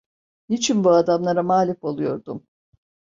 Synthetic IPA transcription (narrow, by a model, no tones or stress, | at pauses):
nit͡ʃʰinbuad̪amlˠaɾamaːlʲifo̞lˠujo̞ɾd̪um